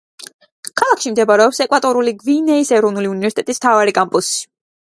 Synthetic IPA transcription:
kʰalˠakʰʃimd̪ɛbaɾɛɔpsɛkʼwat̪ʼɔɾuliɡvinɛisɛɾɔvnuliunivɛɾsi̥t̪ɛt̪ʼism̥t̪ʰavaɾikʼampʼusi̥

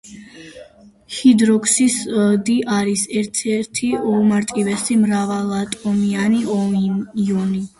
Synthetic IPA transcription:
hid̪ɾɔkʰʼsisd̪iʔaɾisɛɾt̪ʰɛɾt̪ʰiɔmaɾt̪ʼivɛsimɾavalˠat̪ʼɔmianiɔ | ɔni

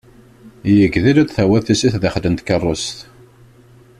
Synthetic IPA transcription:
jəɡðilæd̪θæwæθisiθðəχd̪ənt̪kərˤːost̪

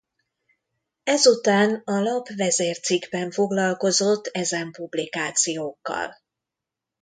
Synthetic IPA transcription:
ɛzut̪aːnɒlɒpvɛzeːrt̪siɡbɛɱfo̞ɡlɒlko̞zo̞t̪ːɛzɛmpublikaːt̪sijoːkːɒ̰l

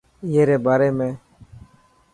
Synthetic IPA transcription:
ɪeːɾeːbaːɾeːmẽː

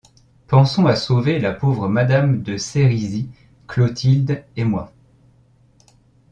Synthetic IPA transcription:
pɑ̃sɔ̃asovelapovʁəmad̪amd̪əseʁizi | klot̪ʰild̪emwa

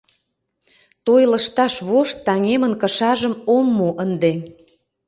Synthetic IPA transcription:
t̪ojlə̆ʃt̪ɑʃβoʃt̪ːɑŋemənkə̆ʃɑʒə̆momːuʔənd̪e

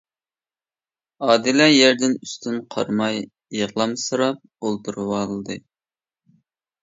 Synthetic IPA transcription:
ɑːd̪ɪlɛjæɾd̪ɪnyst̪ʰynqʰɑ̰ɾmɑj | eʁlˠɑmsɨɾɑp̚olˠt̪ʰuɾɨwɑlˠd̪ɨ

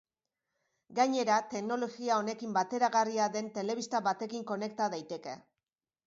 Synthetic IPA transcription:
ɡaɲe̞ɾat̪e̞kno̞loɣiao̞ne̞kimbat̪e̞ɾaɣariaðe̞nt̪e̞le̞βist̪aβat̪e̞kiŋko̞ne̞k̚t̪aðajt̪e̞ke̞̰

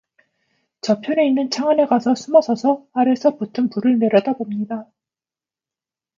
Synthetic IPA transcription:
t͡ɕʌpʰjone̞inːɯnt͡ɕʰaŋane̞ɡasʰʌsʰumʌsʰʌsʰʌaɾe̞sʰʌputʰɯnpuɾɯɭne̞ɾjʌdabomɲida

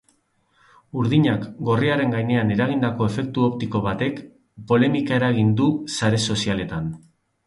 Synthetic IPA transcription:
uɾðiɲakɡo̞riaɾe̞ŋɡajne̞ane̞ɾaɣind̪ako̞e̞fe̞k̚t̪uo̞pt̪iko̞βat̪e̞k | po̞le̞mikae̞ɾaɣ̞ind̪usaɾe̞so̞siale̞t̪an

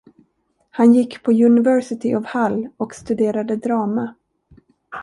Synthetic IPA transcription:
hanjɪkːpʰɔjɵnɪvœɾsɪt̪ʰɪʔɔvhalːɔkst̪ɵd̪eːɾad̪əd̪ɾɑːma

